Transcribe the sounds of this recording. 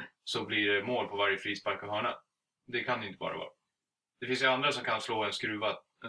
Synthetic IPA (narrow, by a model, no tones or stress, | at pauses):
sɔmblɪɾmoːlpʰɔvaɾjəfɾiːspaɾkavɦœːɳa | d̪ɛkʰanɛɪnt̪əbɑ̰ːɾa̰vɑ̰ːɾa | d̪̥ɛfɪns̬jəand̪ɾasɔmkʰansloːɛnskɾʉ̟ːva